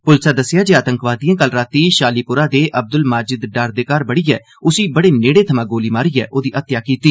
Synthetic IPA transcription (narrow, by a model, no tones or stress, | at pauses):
pʊlsaːd̪əsɪjaːd͡ʒeːaːt̪ə̃ŋkʋaːd̪iːãːkəlɾaːt̪iːʃaːliːpʊɾaːd̪eːʔəb̚d̪ʊlmaːd͡ʒɪd̪ɖaːɾd̪ekaːɾbəɽiːɛː | ʊsiːbəɽeːneːɽeːt̪ʰəmãːɡoːliːmaːɾiːɛ̰ːʔoːd̪iːʔət̪jaːkiːt̪iː